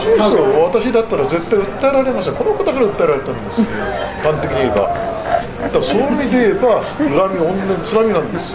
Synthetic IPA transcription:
sosoβat̪aɕid̪at̪ːaɾaze̞t̪ːaiɯ̟t̪ːaeɾaɾe̞masɕ̬t̪ako̞nokod̪akaɾaɯ̟t̪ːaeɾaɾe̞t̪anõnd̪esɨkãnt̪e̞kʲiɲieba̰ | d̪asomʲid̪eeba | ɯ̟ɾamʲiõnːẽnt͡sɨɾamʲinãnd̪esɨ

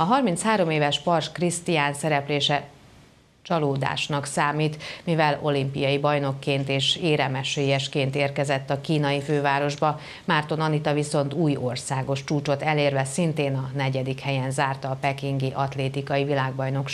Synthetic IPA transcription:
ɒɦɒrmint̪shaːɾo̞meːvɛʃpɒrʃkrist̪ijaːnsɛɾɛpleːʃɛ | t͡ʃɒloːd̪a̰ːʃnɒksaːmiːt̪mivɛlo̞̰limpijɒjibɒjno̞kːeːnt̪eːʃeːɾɛmɛʃeːjɛʃkeːnt̪eːrkɛzɛt̪ːɒkiːnɒjiføːvaːɾo̞ʒbɒ | maːrt̪o̞nɒnit̪ɒviso̞n̪t̪uːjo̞rsaːɡo̞ʃt͡ʃuːt͡ʃo̞t̪ɛleːrvɛsint̪eːnɒnɛɟɛd̪ikhɛjɛnzaːrt̪ɒːpɛkiŋɡiʔɒt̪leːt̪ikɒjivilaːɡ̚bɒjno̞k

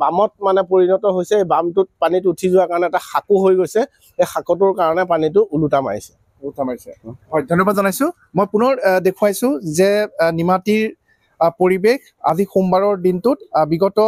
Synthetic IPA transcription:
bamɔt̚manɛpoɹinɔtɔɦojsɛejbamtʊt̚panit̬uutʰizʊwakaɹɔnɛːtaxakuɦojɡojsɛ | exakɔt̬ʊɹkaɹɔnɛpanit̬ʊʔulutama̰ɹisɛ | ulutamaɹjsɛɦɔjdʱɔnːɔbadzɔnajsʊ̃ | mojpʊnɔɹdekʰuajsʊ̃zɛnimatiɹ | poɹibex | a̰zixumbaɹɔɹdintʊtbiɡɔtɔ

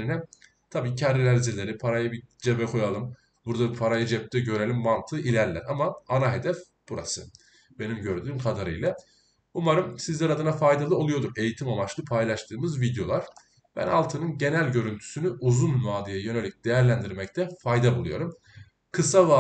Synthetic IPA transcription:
inɛ | t̪ʰabiːcʰaɾɾilʲæɾd͡ʒilʲe̞ɾipʰaɾajabid͡ʒebɛkʰo̞jalˠɯm | buɾd̪apʰaɾajad͡ʒɛp̚t̪ʰɛɟø̞ɾe̞lʲimːant̪ʰɯʔilʲæɾlʲæ̰ɾamaːnaɦe̞d̪ɛf | b̥uɾa̰sɯ | b̥e̞nimɟø̞ɾd̪yːmkʰad̪aɾɯ̰jlˠa | umaɾɯmsizlʲɛɾad̪ɯnafajd̪alˠɯo̞lˠujo̞d̪ume̞jit̪ʰimamat͡ʃlˠɯpʰajlˠaʃt̪ʰɯːmɯzvid̪jo̞lˠaɾ̥ | b̥æ̰nalˠt̪ʰɯnɯnɟe̞nælʲɟø̞ɾynt̪ʰy̥synyʔuzunːaːd̪ɯjajø̞ne̞lʲic̚d̪̥e̞jæɾlʲænd̪iɾmɛc̚t̪ʰɛfajd̪abulˠujo̞̰ɾum | kʰɯsava

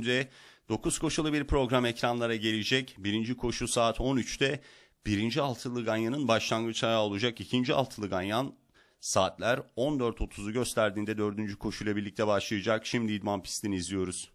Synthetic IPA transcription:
d̪ɛd̪̥o̞kʰuz̥kʰo̞ʃulˠɯbiɾpɾo̞ɡɾamɛcɾanlˠaɾaɟe̞lʲid͡ʒɛcbiɾind͡ʒikʰo̞ʃusaːt̪ʰo̞nyt͡ʃt̪ʰɛ | b̥iɾind͡ʒialˠt̪ʰɯlˠɯɡanjanɯnbaʃlˠaŋɡɯt͡ʃʰaɾao̞lˠud͡ʒakicʰind͡ʒia̰lˠt̪ʰɯlˠɯɡanjan | saːt̪lʲæɾo̞nd̪øɾt̪ʰo̞t̪ʰuzuɟø̞st̪ʰæɾd̪iːnd̪ɛd̪ø̞ɾd̪ynd͡ʒykʰo̞ʃujlˠabiɾlʲic̚t̪ʰɛbaʃlˠajad͡ʒakʃimd̪iid̪manpʰi̥st̪ʰiniizlʲijo̞ɾuz̥

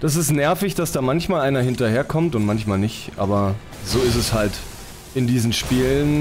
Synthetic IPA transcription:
d̥as̬ɪstnɛɐfɪçd̥asd̥aːmançmaːlʔaɪnɐhɪntɐheːɐkʰɔmtʊntmançmaːlnɪçtʔa̰ːbɐ | zoːɪstɛshalt | ʔɪndiːzn̩ʃpiːlən

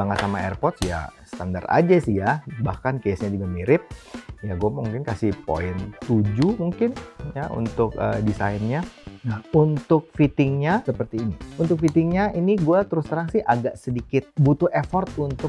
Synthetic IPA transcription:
aŋat̪samaɛrpɔrt̪̚ja̰sə̥t̪andara̰d͡ʒasijabahkankesɲad͡ʒuɡamiɾɪt̪̚jaɡuamuŋkɪnkasɪhpo̰ɪnt̪ud͡ʒumuŋkɪnjaʔṵnt̪ʊk̚ə̰disajnɲanaunt̪ʊk̚fit̪ɪŋɲasəpərt̪iːniunt̪ʊk̚fit̪ɪŋɲainiɡuat̪əɾʊst̪əɾaŋsɪhʔaɡaʔsədikɪt̪̚but̪ʊefɔrt̪unt̪ʊ

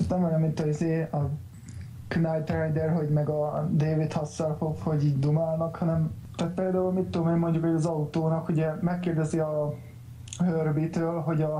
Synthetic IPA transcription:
t̪nɛmvɒɲɛmːint̪ɒizeːɒ | kynajt̪rɛjd̪ɛrɦo̞ɟmɛɡɒd̪eːvit̪hɒsːɒrfofho̞ɟiːɟd̪umaːlnɒkhɒnɛm | t̪aːt̪̚peːld̪aːulmit̪ːomeːmmo̞ɲɟukhojɒzɒut̪oːnɒkuɟɛmɛkːeːrd̪ɛziɒ | ɦørbit̪øːlɦo̞ɟɒ

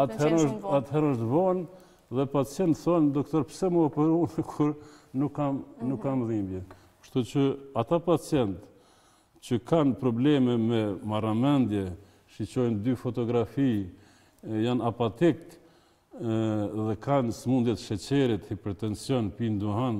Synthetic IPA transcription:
at̪hɛɾɔʃt̪at̪hɛɾɔʃt̪vɔn | ðɛpat͡sjɛnt̪θɔnd̪ɔkt̪ɔɾpsɛməɔpɛɾunkʰuɾnukːamnukːamðimbjɛ | kʃt̪ut͡ʃəat̪apat͡sjɛnt̪ | t͡ɕəkanpɾɔblɛmɛmɛmaramɛnd̪jɛ | ʃit͡ɕɔjnd̪yfɔt̪ɔɡɾafi | janapat̪ik | ðɛkansmund̪jɛt̪ʃɛt͡ɕɛɾit̪hipɛɾt̪ɛnsjɔnpind̪uɦan

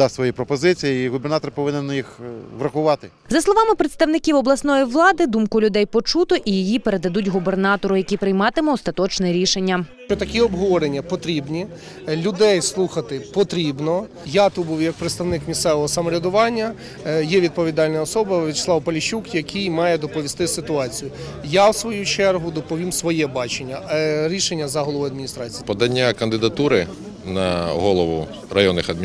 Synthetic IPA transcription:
d̪ɑsʲt̪ʲsʋɔjipɾɔpɔzɪt͡sʲijiiɣʊbernɑt̪ɔrpɔʋɪnɪnjixʋɾɐxʊʋɑt̪ɪ | zɐslˠɔʋɑmɪpɾet̪st̪ɐʋwnɪkʲiwɔblˠɐsnɔjiʋlˠɑd̪ɪd̪umkʊlʲʊd̪ɛjpɔt͡ʃut̪ɔʔijijipeɾe̞d̪ɐd̪utʲɦʊbe̞rnɑt̪ɔɾʊjɐkʲipɾɪjmɑt̪ɪmɔɔst̪ɐt̪ɔt͡ʃnɛɾʲiʃenʲːɐʃt͡ʃɔt̪ɐkʲiɔbɦɔʋɔɾenʲːɐpɔt̪ɾʲibnʲi | lʲʊd̪ɛjslˠuxɐt̪ɪpɔt̪ɾʲibnɔ | jɑt̪ubuwjɐk̚pɾeɪt̪st̪ɐwnɪkmʲist̪sɛʋɔɦɔsɐmɔɾʲɐd̪ʊʋɑnʲːɐ | jɛʋʲid̪̚pɔʋʲid̪ɑlʲnɐɔsɔbɐʋʲit͡ʃɪ̥sˠɑwpɐlʲiʃukjɐkʰijmɑjɛd̪ɔpɔʋʲist̪ɪsɪt̪ʊɑt͡sʲijʊ | jɑwsʋɔjut͡ʃɛrɦʊd̪ɔpɔʋʲimsʋɔjɛbɑt͡ʃenʲːɐɾʲiʃenʲːɐzɐɦɔlˠɔʋʊɐd̪̚mʲinʲist̪ɾɑt͡sʲipɔd̪ɐnʲːakɐnd̪ɪd̪ɐt̪uɾɪ | nɐ̰ɦɔlˠɔʋʊ̰ | rɐ̰jɔnːɪxɐd̪mʲ

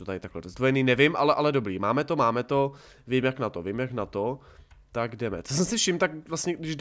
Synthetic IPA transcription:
t̪ot̪adɪt̪aklɛɾozd̪vojɛniːnɛvɪmʔalɛʔalɛdo̞bɾiːmaːmɛt̪o̞maːmɛt̪o̞ | vimjaknat̪ovimjaknat̪o̞ | t̪aɡdɛmɛ̰t͡s̪os̬ɛmsɪfʃɪmt̪akvlast̪ɲɛdɪʒd

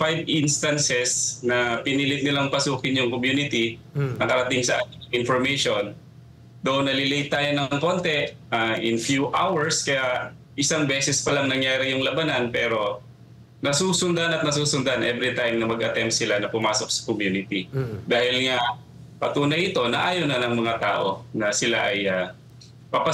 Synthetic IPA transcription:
fajbʔinst̪ɐnsɛsnɐpɪniːlɪt̪̚nɪlaŋpɐsuːkɪnjʊŋkomjuːnɪt̪i | nɐkɐɾɐt̪ɪŋsɐʔaːt̪ɪnɐŋɪnfoɹmejʃo̞n | d̪ɐʔnːɐlɪlɛjt̪ːaːjo̞nɐŋko̞nt̪ɛʔ | aʔɪnfjuʔa̰wɛɹskɐjaʔ | ʔɪsaŋbɛːsɛspɐlɐŋnɐŋjaːɾɪjʊŋlɐbanɐnpɛːɾo̞ | nɐsuːsʊnd̪anɐt̪nɐs̬uːsʊnd̪anʔɛvɾɪt̪ajmnɐmɐɡʔɐt̪ɛmp̪̚sɪlanɐpʊmaːsok̚sɐ̥komjuːnɪt̪id̪aːhɪlŋa | pɐt̪uːnɐjɪt̪o̞nɐʔaːjonɐnɐŋmɐŋat̪a̰ːʔo̞̰nɐsɪla̰ʔɐjɐ | pɐpɐ

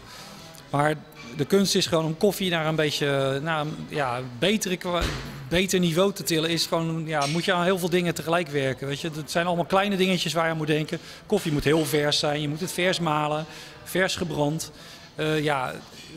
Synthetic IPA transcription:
maːɹ | dəkønstɪsχəʋoːnonkɔfinaːɹənbejtjənaːənjabejtərəkbejtəɹnivowtətɪləɪsχəʋonjamutjəaːnɦɪːlˠvɪːlˠdɪŋətəχəlɛjkʋɛɹkənʋejtjəətsɛjnɑlˠəmalˠklɛjnədɪŋət͡ʃəsʋaːɹjaːnmutdɛŋkə | kɔfimutɦɪːlˠvɛɹsɛjnjəmutətfɛɹsmaːlə | fɛɹsχəbrɑnt | ja

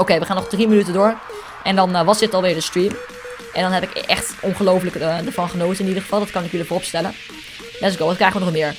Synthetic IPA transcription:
owkejʋəχaːnɔχdrimənytədʊːɹ | ʔɛndɑnʋɑsdɪtɑlˠʋɪːɹdəstriːm | ʔɛ̰ndɑnɦɛpɪkʔɛχtʔɔnχəlowfləkədəɹvɑnχənowtəɪnidərχə̥fɑlˠdɑtkɑnɪkjɵlifʊːrɔpstɛlən | dɛsɡowtkrɛjχəʋənɔχmɪːɹ

